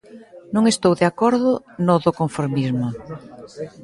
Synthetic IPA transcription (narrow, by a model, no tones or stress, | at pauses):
nõŋest̪owðeakoɾðʊ | noðokoɱfoɾmizmʊ